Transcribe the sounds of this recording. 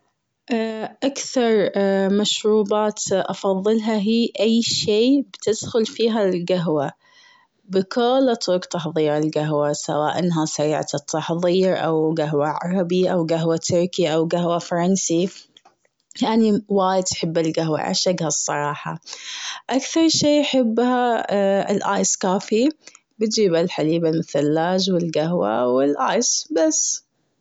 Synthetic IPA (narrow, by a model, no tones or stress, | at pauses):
ʔʔakθɑɾˤmaʃɾuːbaːt̪ʔɑfɑðˤːɨlɦaɦiːʔajːʃeːbt̪ɪd̪xʊlfiːɦalɡaɦwa | bɪkʰʊːlʔɑt̪ɾʊkt̪ɑħðˤiːɾɪlɡaɦwasa̰waːʔɪnːɦasaɾɪ̰ʕt̪ɨt̪ʰːɑħðˤiːɾʔa̰wɡaɦwaʕɑɾˤɑbiʔawɡaɦwat̪ʰʊɾkiʔawɡaɦwafɑɾˤɑnsi | jaʕniwaːjɪd̪̚tħɪbːɪlɡaɦwa̰ʕa̰ʃaɡhasˤːɑɾˤɑːħɑ̰ʔakθɑɾˤʃiːħɪbːhaɪ̰lʔa̰ːjskaːfi | bɪt̪d͡ʒiːbalħaliːbamɪθalːaːd͡ʒwɪlɡaɦwa̰wɪlʔaːjsbas